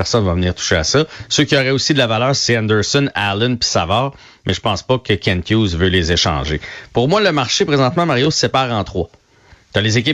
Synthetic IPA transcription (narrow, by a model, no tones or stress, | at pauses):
ɛʁsɔnvavəniːʁt̪u̥ʃea̰sʌsøkʲiɔʁɛosid̪əlavalœːʁseɛ̃nd̪ə˞sɔnalɛnpi̥savɑːʁ | mʔɛʒəpɑ̃spʌkəkʲʰɛ̃nk̪juzvølezeʃɑ̰̃ːʒepʊʁmwaləmaʁʃepʁezɑ̃t̪mãmaʁjossepaːʁɑ̃t̪χʁwa | t̪alezek̬ʲɪ